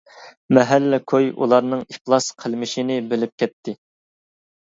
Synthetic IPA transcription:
mɛɦælːɪkʰojṵlˠɑɾnɨŋiχlˠɑsqʰəlˠmɪʃinɪbɪlɪp̚kʲʰɛt̪ʰːɪ

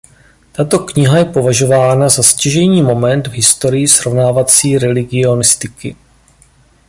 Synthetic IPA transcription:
t̪at̪o̞kɲɪɦajɛpo̞vaʒo̞vaːnazasciʒɛjɲiːmo̞mɛnd̪vɦɪst̪o̞ɾɪjɪsɾo̞vnaːvat͡siːɾɛlɪɡɪo̞nɪst̪ɪkɪ

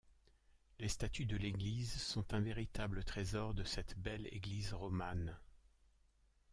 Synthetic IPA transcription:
lest̪at̪yd̪əleɡlizsɔ̃t̪ɛ̃veʁit̪ablət̪χezɔʁd̪əsɛt̪bɛlḛɡlizʁɔman

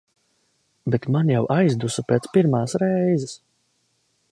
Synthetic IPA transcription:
bet̪manjawʔajzd̪usupʲeːt̪spiɾmaːsɾɛjzɛs

